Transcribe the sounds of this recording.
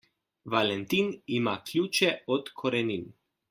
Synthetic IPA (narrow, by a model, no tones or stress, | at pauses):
ʋalɛnt̪inimaklʲjuːt͡ʃɛɔt̪kʰɔɾɛnin